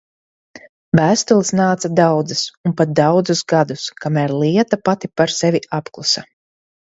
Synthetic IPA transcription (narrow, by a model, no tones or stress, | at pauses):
væːst̪ulˠisnaːt̪sad̪awd̪zisunpat̪̚d̪awd̪zusɡad̪uskamæɾliɛt̪apat̪ipaɾsɛvʲiapklˠusa